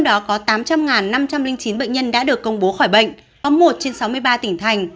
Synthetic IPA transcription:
t͡ɕwɗɔ˨˦kɔ˨˦t̪aː˨˦mt͡ɕa˧mŋaː˨˩nːa˧mt͡ɕa˧mlï˧ŋt͡ɕi˨˦nɓə̰˧˨ŋ̟ɲə˧nɗa̰ː˧˥ɗɨ˨˩əkːə˧wŋ͡mɓo˨˦xɔː˧˩jɓə̰˧˨ŋ̟ | ɔ˨˦mːo˨˩t̚t͡ɕe˧nsa˨˦wmɨ˧əjɓaː˧t̪ï˧˩ŋt̪ʰa˧˩jŋ̟

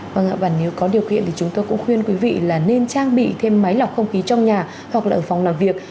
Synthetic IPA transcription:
və˧ŋʔaː˧˩ɓaː˧˩ne˨˦wkɔ˨˦ɗi˨˩əwkḭ˧˨ənt̪i˨˩t͡ɕʊ˨˦ŋ͡mt̪oː˧jkʊ̰˧˥ŋ͡mxwi˧ənkwi˨˦vḭ˧˨laː˨˩ne˧nt͡ɕaː˧ŋɓḭ˧˨t̪ʰe˧mːa˨˦jlɔ˨˩k͡p̚xə˧wŋ͡mxi˨˦t͡ɕɔ˧wŋ͡mɲaː˨˩ | hwa˨˩k̚aː˨˩ʔəː˧˩fa˨˩wŋ͡mlaː˨˩mvi˨˩ək̚

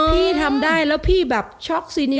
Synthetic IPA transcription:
pʰiː˥˩t̪ʰa˧mda˥˩jlɛː˦˥wpʰiː˥˩bɛː˨˩p̚t͡ɕʰɔ˦˥k̚siː˧ni˦

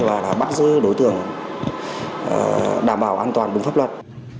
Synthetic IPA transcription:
vaː˨˩laː˨˩ɓaː˦˥t̚zɨ˧˦ɗo˨˦jt̪ɨ̰˧˩˨əŋ˨˩ | ɗaː˧˩mɓaː˧˩wʔaː˧nt̪waː˨˩nɗɨ˨˩ŋ͡mfaː˦˥p̚lwə˨˩t̚

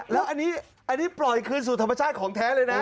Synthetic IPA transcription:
lɛː˦˥wʔa˧nːiː˦˥ | ʔa˧nːiː˦˥plɔ˨˩jkʰɯː˧ns̬uː˨˩t̪ʰa˧ma˧t͡ɕʰaː˥˩t̪̚kʰɔː˩˦ŋt̪ʰɛː˦˥lɤː˧jna˦˥

